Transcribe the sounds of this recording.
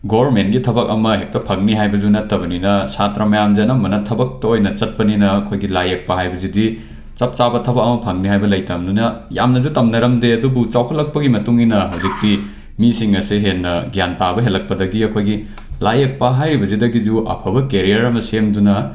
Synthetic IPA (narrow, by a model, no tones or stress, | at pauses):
ɡobɐɾmentɡitʰɐbɐkɐmɐɦek̚tɐpʰɐŋniɦajbɐd͡ʒunɐtːɐbɐninɐsatɾamɐjamd͡ʒɐnɐmɐnɐtʰɐbɐk̚tɐojnɐt͡ʃɐt̚pɐninɐːkʰojɡilajek̚pɐhajbɐzidi | t͡ʃɐp̚t͡ʃabɐtʰɐbɐkɐmɐpʰɐŋniɦajbɐlɐjtɐmdunɐja̰mnɐzutɐmnɐɾɐmdeɐdubut͡ʃawkʰɐlːɐk̚pɐɡimɐtuŋinɐɦɐwzik̚ti | misiŋɐsiɦenːɐɡjantabɐɦelːɐk̚pɐdɐɡiɐkʰojɡi | lajek̚pɐɦajɾibɐzudɐɡid͡ʒuʔɐ̰pʰɐbɐkeɾijɐɾɐmɐsemdunɐ